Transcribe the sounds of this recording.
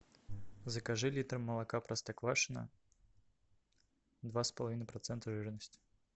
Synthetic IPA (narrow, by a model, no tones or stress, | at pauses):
zɐkaʐɨlʲit̪ɾmːɐlˠakapɾɐst̪ɐkvˠaʂɨnɐ̰ | d̪vaspɐlˠavinɐjpɾɐt̪sɛnt̪ɐʐɨɾnɐsʲtʲ